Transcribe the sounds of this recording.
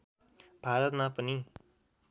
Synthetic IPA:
b̥ʱaɾʌt̪mapʌni

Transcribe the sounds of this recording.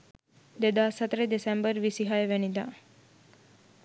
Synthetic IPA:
d̪ed̪asət̪ɾed̪esembəɾʋisiɦajʋenid̪a

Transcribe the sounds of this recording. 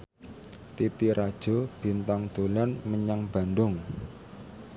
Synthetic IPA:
t̪it̪iɾʔad̥ʒ̥o̤b̥i̤nt̪aŋd̪̥o̤lanməɲaŋb̥a̤nd̪ʊŋ

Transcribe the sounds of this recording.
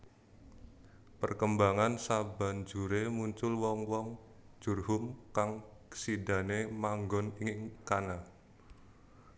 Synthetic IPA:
pərkəmbaŋansaba̤nd͡ʒuɾemuɲt͡ʃʊlwɔŋwɔŋ | d͡ʒ̥urhʊmkaŋsida̤nemaŋɡɔniŋɪŋkana

